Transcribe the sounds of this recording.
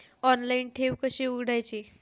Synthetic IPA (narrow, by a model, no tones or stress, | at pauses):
ɔnlainʈʰeʋkəɕiuɡɽajt͡ɕi